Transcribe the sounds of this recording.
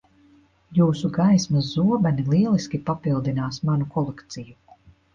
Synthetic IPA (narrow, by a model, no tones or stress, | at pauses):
juːsuɡajsmɐzːuɔbɛnilˠiɛlˠiskʲipapilˠd̪inaːsmanukʰɔlˠekt̪siju